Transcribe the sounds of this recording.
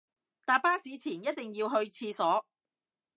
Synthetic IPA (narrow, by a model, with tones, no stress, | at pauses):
t̪aː˨paː˥siː˨˥t͡sʰiː˨˩njɐ˥t̚t̪ɪ˨ŋjiː˧wɦɵ˧ɥt͡sʰiː˧sɔː˨˥